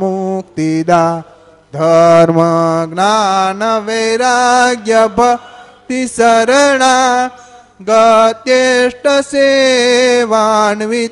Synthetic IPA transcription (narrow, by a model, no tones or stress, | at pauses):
mukt̪id̪a | d̪ʱɐɾmɐɡɳaːnɐʋejɾaːɡjɐbʱɐt̪isɐɾɐɳa | ɡɐt̪jeʂʈɐse | ʋaːɳʋi